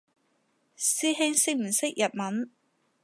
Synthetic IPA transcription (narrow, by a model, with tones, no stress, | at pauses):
siː˥ɦɪ˥ŋsɪ˥k̚m̩˨˩sɪ˥k̚jɐ˨t̚mɐ˨˥n